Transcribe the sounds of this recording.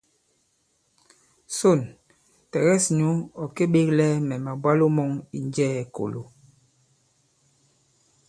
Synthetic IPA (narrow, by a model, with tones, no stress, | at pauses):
so˦˨n | tɛ˨ɣɛ˦˨sɲo˦ɔ˨ke˦ɓe˦klɛ˦mɛ˨ma˨bwa˦lo˦mɔ˦ŋi˨nd͡ʒɛː˦˨ko̰˨lo̰˨